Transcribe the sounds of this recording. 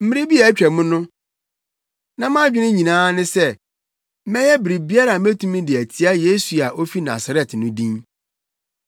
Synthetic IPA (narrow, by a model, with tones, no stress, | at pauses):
m̩˦mɪ˦ɾi˦bi˦a˨˦t͡ɕᶣɛ˨mʊ̃˦nʊ̃˦ | nã˨m˦ã˦d͡ʑᶣɪ˦nɪ̃˦ɲĩ˨nãː˦nɪ̃˦sɛ˦ | mɛ̃˦jɛ˦bi˨ɾi˨bi˦a˦ɾa˨mæ˦tʰũ˦mĩ˦dɪ˨æ˨tʰi˨˦a˦je˦su˨a˨ʔo˦fi˦na̰˨sa˨ɾɛ˨tnʊ̃˦dĩ˦n